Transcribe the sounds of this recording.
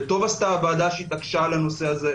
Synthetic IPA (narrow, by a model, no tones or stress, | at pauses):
t̪o̞vast̪abaːd̪aʃit̪akʃalano̞seaze